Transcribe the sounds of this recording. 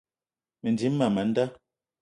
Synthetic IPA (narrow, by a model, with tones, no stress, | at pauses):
me˨n˨di˨˦m̩ː˦a˨ma˨˦n˦da˦